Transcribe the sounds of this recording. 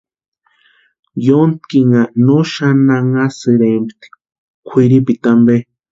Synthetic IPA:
jont̪kiŋanoʃanaŋasɨɾemt̪i̥ | kʷʰiɾipit̪ambe

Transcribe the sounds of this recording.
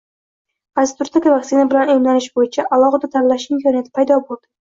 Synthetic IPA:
ast̪ʊɾt̪ʰɪkʲavaksɪnabɪlanojmlanɪʃbojɪt͡ʃʰaʔalˠɒʁad̪at̪ʰaɾlaʃɪmkʲʰɒnijat̪ʰɪ̥pʰajd̪ɒbolˠd̪ɪ̥

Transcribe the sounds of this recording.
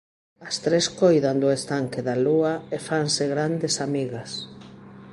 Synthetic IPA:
ɐst̪ɾeskojðand̪ʊest̪aŋkeðaluaefaŋseɣɾand̪esamiɣas

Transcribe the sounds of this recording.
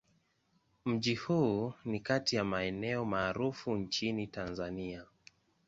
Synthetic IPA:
m̩ʄihuːnikatijamaɛnɛɔmaːɾufunt͡ʃinitanzania

